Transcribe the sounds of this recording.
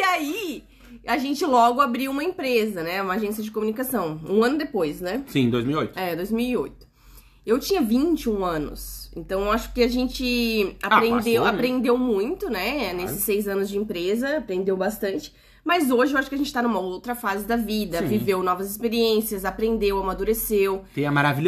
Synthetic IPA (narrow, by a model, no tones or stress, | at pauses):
iai | aʒẽnt͡ʃɪlɔɡʊabɾiwũmɐẽpɾezɐnɛũmɐaʒẽsiɐd͡ʒɪkomunikasɐ̃w̃ũɐ̃nʊd̪epojsnɛsĩd̪ojzmiwiojt̪ʊɛd̪ojzmiwiojt̪ʊ̥ | ewt͡ʃĩɲɐvĩt͡ʃɪũɐ̃nʊ̰sḛ̃nt̪ɐ̃w̃aʃʊ̥kɪaʒẽnt͡ʃɪaɾẽd̪ewapɾẽnd̪ewmũj̃t̪ʊnɛnesɪ̥sːejzɐ̃nʊzd͡ʒɪẽpɾezɐapɾẽnd̪ewbast̪ɐ̃nt͡ʃɪ̥ | mɐzoʒɪewaʃʊkɪɐʒẽnt͡ʃɪ̥t̪anũmɐowt̪ɾɐfazɪd̪ɐvid̪ɐ̃vivewnɔvɐzɪspeɾiẽsiɐzapɾẽnd̪ewamad̪uɾesewt̪ẽɐmaɾaviʎ